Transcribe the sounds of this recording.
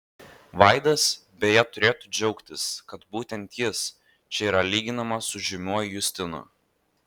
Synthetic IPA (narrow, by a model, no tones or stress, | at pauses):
ʋɐˑɪd̪ɐsbʲɛjɛt̪ʊɾʲeːt̪ʊd͡ʒʲɛʊkt̪ʲɪskɐt̪buːt̪ʲɛnt̪ʲjɪs | t͡ʃʲɛiːɾɐlʲiːɡʲɪnɐmɐsʊʒʲɪmʲuɔjjʊsʲt̪ʲɪnʊ̰